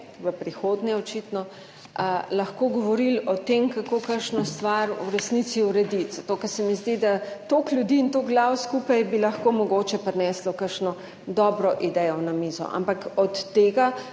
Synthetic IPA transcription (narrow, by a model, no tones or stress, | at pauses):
ʋəpɾixoːd̪nɛɔt͡ʃit̪nɔ | əlɐxkoːɡɔʋɔɾilɔt̪emkakoːkəɾʃnɔst̪ʋaɾṵɾɛsnisiuɾɛd̪it̪z̥ɐt̪oːkɐɾsɛmizd̪id̪at̪oklʲjud̪iːnt̪oɡlawskupajbilɐxkomɔɡoːt͡ʃɛpɾɛnɛːslɔkəɾʃnɔ | d̪ɔbɾɔʔid̪ɛjɔwnamizɔ̰ʔa̰mpakɔt̪ːeːɡa